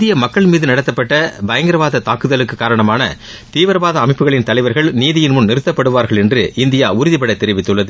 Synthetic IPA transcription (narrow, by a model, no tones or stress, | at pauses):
d̪ɪjɐmɐkːɐɭmiːðɯnɐɽɐt̪ːɐpːɐʈːɐbɐjɐŋɡɪɾɐʋaːðɐt̪aːkɯðɐlɯkːɯkːaːɾɐɳɐmaːnɐ̰ | t̪iːʋɐɾɐbaːðɐːmɪpːɯɣɐɭɪnt̪ɐlɐɪʋɐɾɣɐɭniːðɪjɪnmʊnnɪɾɯt̪ːɐpːɐɽɯʋaːɾɣɐɭɛndrɯʔɪnd̪ɪjaːʊɾʊðɪpɐɽɐt̪ːɛɾɪʋɪt̪ːɯɭːɐðɯ